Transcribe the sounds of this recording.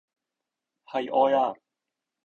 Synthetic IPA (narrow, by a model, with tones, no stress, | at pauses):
hɐ˨jʔɔː˧jaː˧